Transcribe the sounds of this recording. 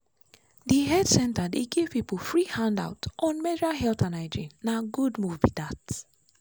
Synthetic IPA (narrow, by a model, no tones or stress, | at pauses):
diɦɛdsɛ̃ntadeɡevpipfɾihãnda̰wtʔɔ̃nmɛdɾaɦɛltanaɪdɹĩnaɡudmuvvidats